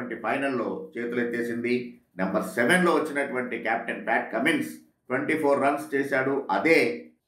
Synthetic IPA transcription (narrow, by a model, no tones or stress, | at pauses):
ɐɳʈipʰɐjnɐlːo̞ːt͡ʃe̞ːt̪ulet̪ːeːsind̪i | nɐmbɐɾsɛʋenlo̞ːʋɐt͡ʃːinɐʈuʋɐɳʈikaːp̚ʈɐnpaːʈ̚kɐmins | ʈʋeɳʈipʰoːɾːɐnst͡ʃeːsaːɽuʔɐd̪e̞ː